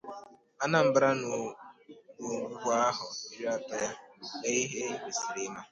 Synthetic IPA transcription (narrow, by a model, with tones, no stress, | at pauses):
a˦na˨m̩˨bɾa˦n˨ | no˨ɡʷu˦ɡʷa˦ɦʊ˨i˦ɾi˦a˦ta˦ja˦e˦i˦ɦe˦be˨si˨ɾɪ˦na˦